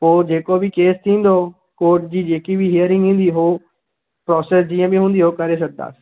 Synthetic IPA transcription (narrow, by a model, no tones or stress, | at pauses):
oːd͡ʒeːkoːbiːkeːst̪ĩːnd̪oː | koːʈd͡ʒiːd͡ʒeːkiːʋiːɦɪəɾɪ̃ŋɡĩːnd̪iːɦoː | pɾɔːsɛːsd͡ʒɪjãːbiːɦʊ̃nd̪iːɦoːkəɾeːs̬ək̚d̪a̰ːs